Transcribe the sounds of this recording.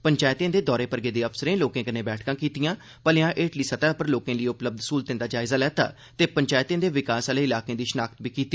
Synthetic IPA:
pəɲt͡ʃaːjt̪ẽːd̪eːd̪ɔːɾeːpəɾɡeːd̪eːəpʰsəɾẽːloːkẽːkəneːbɛːʈʰkãːkiːt̪ijãː | pəleãːʔeːʈliːsət̪aːpəɾloːkẽːləiʊpləb̚d̪suːlt̪ẽːd̪aːd͡ʒaːɪzaːlɛːt̪a̰ː | t̪eːpəɲt͡ʃaːjt̪ẽːd̪eːʋɪkaːsaːleːɪlaːkẽːd̪iːʃənaːkʰət̪biːkiːt̪ːiː

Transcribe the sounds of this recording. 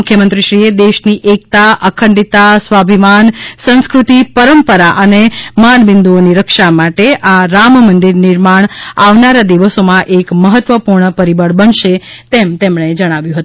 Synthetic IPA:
ʊkʰjəmənt̪ɾiʃɾied̪eʃniʔek̚t̪aʔəkʰəɳɖit̪asʋabʱimansə̃nskɾut̪ipəɾəmpəɾaʔənemaɳbɪnd̪uoniɾəkʃamaʈeʔaɾammənd̪iɾnɪɾmaɳ̃aʋnaɾad̪iʋəsomãʔekməɦət̪ʋəpuɾɳəpəɾibəɽbəɳʃet̪emt̪emɳ̃ed͡ʒəɽ̃aʋjũɦət̪ũ

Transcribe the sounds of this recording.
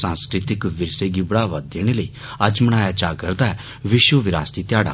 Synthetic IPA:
sãːnskɾɪt̪ɪkʋɪɾseɡibɽaːʋat̪̚d̪eːɽ̃eləiː | ɐd͡ʒmɐɽ̃aːjad͡ʒaːɡəɾd̪aɛ | ʋɪʃwəʋɪɾaːst̪it̪ɪjaːɽa̰ː

